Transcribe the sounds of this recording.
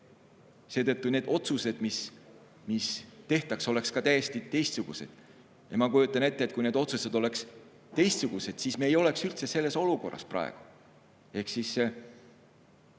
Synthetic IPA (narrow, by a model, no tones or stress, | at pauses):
se̞ːt̪ɤ̞t̪ˑːune̞ːd̪o̞t̪suse̞d̪̥mis | mist̪e̞ht̪ɑkso̞le̞kskɑt̪æje̞st̪it̪e̞jst̪suɡ̥ṵse̞̰d̪̥ | jɑmɑkujut̪ˑːɑne̞t̪ːeːt̪kujne̞ːd̪o̞t̪suse̞d̪̥o̞le̞ks | t̪e̞jst̪suɡ̥use̞d̪̥sismeːjo̞le̞ksylt̪sese̞lːe̞so̞luko̞̰rːɑ̰sprʔɑ̰ḛɡ̥u̥ | e̞hksis